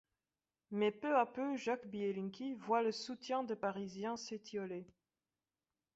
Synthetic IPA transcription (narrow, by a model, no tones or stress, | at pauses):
mɛpøapøʒakbielĩŋkʲivwaləsut̪jɛ̃d̪epaʁizjɛ̃set̪iɔle